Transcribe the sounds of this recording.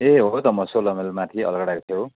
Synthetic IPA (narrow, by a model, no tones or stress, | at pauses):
eɦot̪ʌmʌsolʌmelmat̪ʰiʌ̰lʌɡʌɽakt̪ʰjo